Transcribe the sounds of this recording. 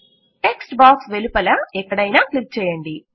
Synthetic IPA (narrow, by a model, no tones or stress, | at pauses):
eksʈbaːksʋelupɐlɐmɛkːɐɽɐjnaːklik̚t͡ʃɛːjɐɳɖi